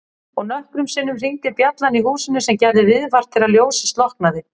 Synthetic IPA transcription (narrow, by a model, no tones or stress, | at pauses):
ɔɣnœhkɾʏmsɪnːʏmriɲt̪ɪpjat̪lanihuːsɪnʏsɛmcɛɾðɪvɪðvar̥t̪ʰːɪlaðljoːwsɪ̥st̪lɔhk̚naðɪ